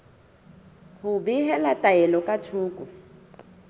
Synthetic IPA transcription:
hʊbiɦɛlatʼaɛlɔkʼatʰuːkʼu

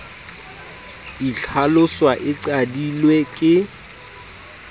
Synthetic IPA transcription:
iɬʰalʊswaʔɪǀadilwekʼɪ

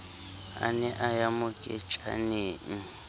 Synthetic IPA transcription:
a̰nɛʔajamʊkʼɛt͡ʃʼa̰neːŋ̩

